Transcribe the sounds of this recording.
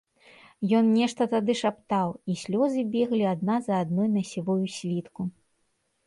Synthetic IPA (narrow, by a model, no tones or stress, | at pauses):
jɔnnʲɛʂt̪ɐt̪ad̪ɨʂapt̪awisʲlʲɔzɨbʲɛɣlʲiad̪̚nazɐːd̪nɔjnɐsʲivɔjusʲlʲit̪ku